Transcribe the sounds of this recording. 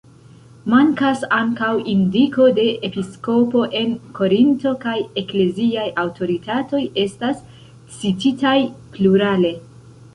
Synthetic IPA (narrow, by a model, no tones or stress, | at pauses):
maŋkasaŋkawindiko̞de̞ʔepisko̞po̞ʔe̞nkʰo̞ɾinto̞kaje̞kle̞ziajawtʰo̞ɾitato̞je̞stas | t͡sititajpluɾale̞